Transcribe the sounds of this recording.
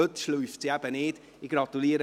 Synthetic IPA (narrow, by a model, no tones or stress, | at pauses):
ʊd̥ʃlʊjftʰjabɛneːd | iɡrɔdulˠiːɾə